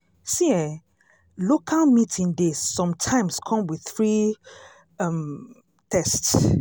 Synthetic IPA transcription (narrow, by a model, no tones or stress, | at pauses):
siɛ | lokʰalmitʰĩndesːɔ̃mtʰãɪ̃mskʰɔ̃mwiðθɹi | m | tʰɛsts